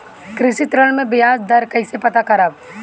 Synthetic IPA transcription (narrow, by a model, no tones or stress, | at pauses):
kɾɪʃit̪ɾəlmẽbɪjaːsd̪ɐɾkɐisepɐt̪akɐɾaːb